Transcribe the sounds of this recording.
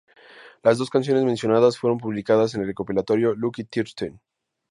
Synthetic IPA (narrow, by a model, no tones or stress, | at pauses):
lazðo̞skans̬jo̞ne̞zmẽnsjo̞naðasfwe̞ɾo̞mpuβlikaðas̬e̞nelreko̞pilat̪o̞ɾjo̞lukit̪iɾt̪en